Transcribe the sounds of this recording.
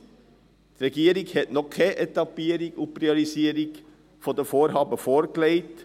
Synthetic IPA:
ɾɛɡeːɾɪŋhenɔkheʔɛt̪ɑbeːɾɪɡuːpɾɪɔɾɪseːɾɪŋ | fɔd̪efoːɾhɑːbəfɔɾklæɪt̪

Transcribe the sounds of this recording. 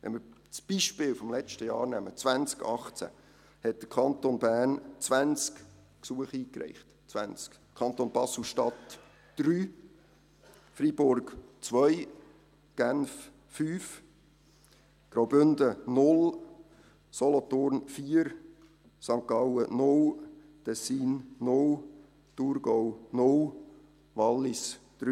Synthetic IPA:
ʋɛ̰nmɪɾt͡sb̥iʃpɪːlfɔmlɛt͡ʃtəjɑːɾnæmət͡svænt͡skɑχt͡sæ̰ | hɛt̚d̪̥əkʰɑnt̪onbæːrnt͡sʋænt͡sk | ksuəχiːkɾɛ̰ɪχt | t͡sʋæ̰nt͡sk | kʰɑnt̪onb̥ɑsl̩ʃtɑtː | ɾyː | fɾib̥ʊrɡt͡sʋœj | ɡ̥ænf | fyːf | ɡ̥ɾawbʏndənʊl | sɔlɔt̪ʊɾnfiəɾ | sɑŋkɑwənʊl | t̪ɛsiːnːʊl | t̪uɾɡɔwnʊl | ʋɑlːɪsd̥ɾy

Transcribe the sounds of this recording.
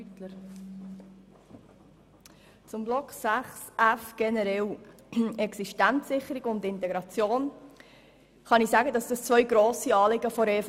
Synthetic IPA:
tləɾ | t͡sʊmblɔksæχsæfɡ̥ɛnəɾɛl | ɛksiʃtænt͡ssɪχəɾɪɡʊndɪntɛɡɾɑt͡sjoːn | χɑnɪsæːɡədɑsd̥ɑst͡svœʏɡɾoːsiɑːlɪɡəfɔɾeːf

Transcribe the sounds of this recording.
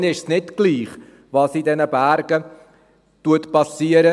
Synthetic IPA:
nɪʃsnɪtɡ̥liːχ | ʋɑːsidɛnəbæɾɡə | tuətpɑsiːəɾə

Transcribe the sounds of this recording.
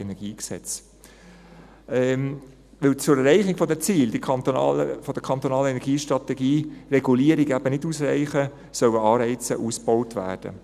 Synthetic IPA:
ɛnɛɾɡ̥iːksɛ̰t͡s | ɛm | ʋɪlt͡sʊɾɛrɾɛɪχɪɡ̥fɔdɛt͡siːld̥iɑnt̪ːfɔd̥̪əkʰɑnt̪onɑːləɛnɛɾɡiːʃtɾɑt̪ɛɡiːrɛɡ̥uliəɾɪɡæb̥ənɪduːsrɛɪχə | sœwəɑːɾɛɪt͡sə̰ʔuːsb̥ɔwtʋæ̰ːrd̥ə̰

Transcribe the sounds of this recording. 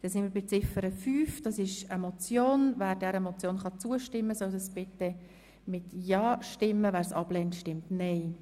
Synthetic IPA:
d̪̥ɛsɪnmɪɾbɪt͡sɪfəɾəfyːfd̥ɑsɪʃəmot͡sjoːnvæːɾdɛɾəmɔt͡sjoːnχɑt͡suəʃtɪmːəsœwdɑsbɪt̪ːɛ | mɪt̪jɑːʃtɪmːəvæːɾsɑ̰b̥lɛntʃtɪmtnɛɪ

